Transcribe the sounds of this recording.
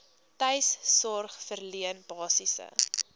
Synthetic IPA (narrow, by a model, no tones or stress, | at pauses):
təjssɔrχfərliənb̥ɑːsisə̰